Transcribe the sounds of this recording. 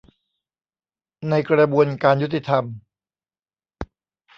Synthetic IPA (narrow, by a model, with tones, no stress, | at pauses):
na˧jkɾa˧bu˧ənkaː˧nju˥t̪ʰːi˧t̪ʰa˧m